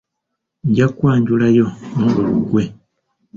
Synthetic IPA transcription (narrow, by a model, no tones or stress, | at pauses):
ɲɟakwaːɲɟulajo̞muɡuluɡwe